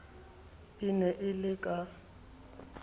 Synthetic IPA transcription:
ɪnɛʔɪlɪkʼa

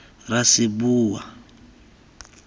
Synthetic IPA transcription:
rasibuːwa̰

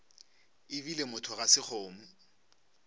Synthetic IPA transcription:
ɪvilemʊtʰʊɣasɪk͡xʰoːm̩

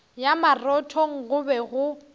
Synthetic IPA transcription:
jamarɔtʰɔŋ̩ɣʊbɛɣʊ

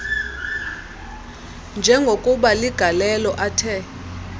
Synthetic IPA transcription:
nd͡ʒʱɛŋɡʱokʼuɓaliɡ̥ʱalɛlɔʔatʰɛ

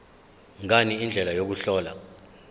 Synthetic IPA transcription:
ŋaniːnd͡ɮʱɛlajok̬uɬɔːla̰

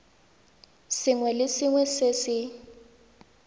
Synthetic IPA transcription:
sɪŋwɛlɪsɪŋwɛsesɪ

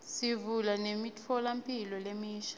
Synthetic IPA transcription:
sivulanemitʰɔlampʼilɔlemiːʃḁ

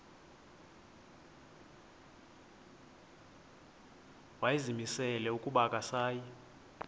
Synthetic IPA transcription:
wajizimisɛlɛukʼuɓakʼasaːji

